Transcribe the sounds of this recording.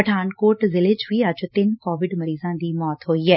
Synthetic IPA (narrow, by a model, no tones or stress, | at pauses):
ɐʈʰaːnkoːʈzɪlet͡ʃʋiɐd͡ʒt̪ɪnkɔːʋɪɖmɐɾiːzãd̪iːmɔːt̪ɦoːiɦɛː